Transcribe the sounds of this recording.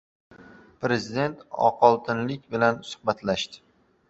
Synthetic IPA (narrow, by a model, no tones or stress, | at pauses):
pɾe̞zɪd̪e̞nt̪ʰɒ̰qʰɒlˠt̪ʰɪnlɪkʲbɪlansʊ̥hbat̪ʰlaʃt̪ɪ̥